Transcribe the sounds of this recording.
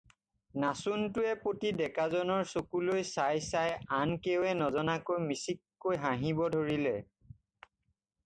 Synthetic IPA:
nasuntʊɛpotidɛkazɔnɔɹsokulojsajsajankewɛnɔzɔnakojmisikːojɦãɦibɔdʱoɹilɛ

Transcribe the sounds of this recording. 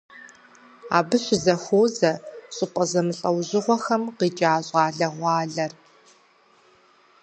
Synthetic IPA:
a̰ːbɨɕʷʊzɐxʷoːzɐɕʼɪpʼɐzɐmɨɬʼɐwʑɪʁʷɔxɐmqiːd͡ʒʼaːɕʼɑːɮɐʁʷɑːɮɐr

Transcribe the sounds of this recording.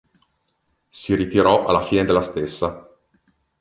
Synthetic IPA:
siɾit̪iɾɔʔa̰lːafiːned̪elːast̪esːa

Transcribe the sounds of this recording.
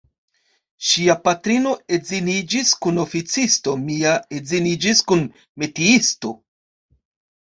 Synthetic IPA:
ʃiapatɾino̞ezinid͡ʒiskuno̞fit͡sisto̞miaezinid͡ʒiskun | metiisto̞

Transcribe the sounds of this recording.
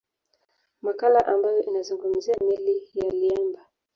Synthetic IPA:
makalaʔambajɔʔinazuŋɡum̩ziamɛlijaliamba

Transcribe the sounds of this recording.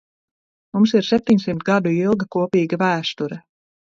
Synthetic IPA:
mumsiɾsɛp̚t̪ʲiɲʲsimt̪ɡad̪uilˠɡakuɔpiːɡavæːst̪uɾɛ

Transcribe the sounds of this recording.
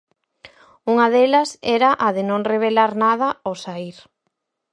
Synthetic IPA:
uŋɐðelɐsɛɾɐʔaðɪnõŋreβ̞elaɾnað̞ɐosaiɾ

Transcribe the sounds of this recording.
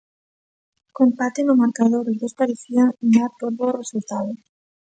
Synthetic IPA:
kompat̪enomaɾkaðoɾoðospaɾiθjaŋnaɾpoɾβoresult̪aðo

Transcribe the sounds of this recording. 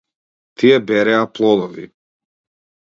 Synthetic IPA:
t̪ʰijɛbɛɾɛaplˠɔd̪ɔvḭ

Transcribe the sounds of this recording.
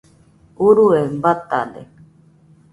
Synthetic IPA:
uɾuembat̪a̰dḛ

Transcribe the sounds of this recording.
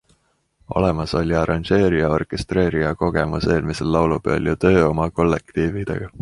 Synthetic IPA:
o̞̰le̞mɑso̞lʲiɑɾɑnʒe̞ːɾiɑo̞rkˑe̞st̪re̞ːɾiɑko̞ɡe̞muse̞ːlmise̞lːɑwlupḛljut̪ø̞ːo̞mɑko̞lːekt̪iːvid̪̥ḛɡ̥ɑ

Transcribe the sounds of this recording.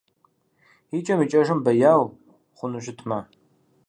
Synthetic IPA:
it͡ʃʼɐmit͡ʃʼɐʒɨmbɐjaːw | χʷʊnɨʒʷɪtʰma

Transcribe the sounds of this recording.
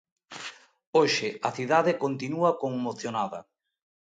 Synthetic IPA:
oʃɪɐθiðaðɪkont̪inuɐkoŋmoθjonaðɐ̰

